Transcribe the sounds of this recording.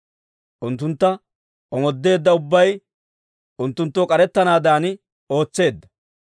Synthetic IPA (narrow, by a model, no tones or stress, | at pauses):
ʔʊnt̪ːʊnt̪ːɐ | ʔɔmɔd̪ːe̞ːd̪ːɐʊbːɐj | ʔʊnt̪ːʊnt̪ːoːkʼɐɾɛt̪ːɐnaːd̪aːnɪ | o̞ːt͡sːe̞ːd̪ːɐ̥